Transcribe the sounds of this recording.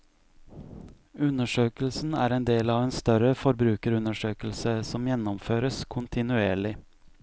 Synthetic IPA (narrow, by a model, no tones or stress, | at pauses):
ʉnəʃøːkəl̩sn̩æ̰ːɾeːnd̪eːlɑːʋeːnst̪œɾəfɔɾbɾʉːkəɾʉnəʃøːkl̩səsɔmjɛnɔmføːɾəskʰʊnt̪ʰɪnʉeːɭɪ